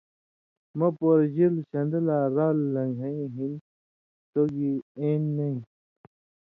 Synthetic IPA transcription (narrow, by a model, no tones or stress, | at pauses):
mɐpoɾd͡ʑilɕɐnd̪əlaɾaːlːɐŋɡʱɐĩɦin | t̪oɡieːnːɐĩ